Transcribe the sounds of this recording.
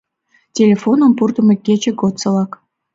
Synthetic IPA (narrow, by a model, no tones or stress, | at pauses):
tʲelʲefonə̆mpurt̪ə̆mĕkʲːet͡ɕĕɡot̪sɤ̆lɑk